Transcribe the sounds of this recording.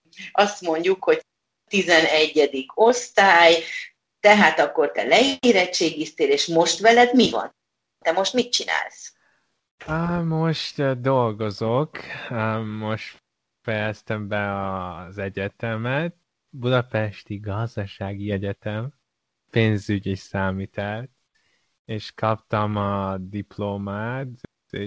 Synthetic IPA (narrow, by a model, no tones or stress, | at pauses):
ɒst̪mo̞ɲɟukho̞ɟ | t̪izɛnɛɟːɛd̪ikʰo̞st̪aːj | t̪ɛɦaːt̪ɒkːo̞rt̪ɛ̰lɛeːɾɛtt͡ʃeːɡist̪eːleːʃmo̞ʃt̪ʋɛlɛd̪mivɒ̰n | t̪ɛmo̞ʃt̪mit̪̚t͡ʃina̰ːls | moʃt̪d̪o̞lɡo̞zok | mo̞ʃt̪ | fɛjɛst̪ɛmbɛɒzɛɟɛt̪ɛmɛt̪̚ | bud̪ɒpɛʃt̪iɡɒzd̪ɒʃaːɡiɛɟɛt̪ɛm | peːnzyɟisaːmiːt̪ɛlt̪ | eːʃkʰɒpt̪ɒmɒd̪iploːmaːt̪ː